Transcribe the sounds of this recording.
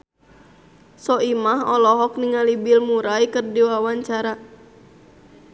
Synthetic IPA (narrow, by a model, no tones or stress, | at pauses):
sɔʔimaɦɔlɔɦɔk̚niŋalibilmuɾaikərdiwawaɲt͡ʃaɾa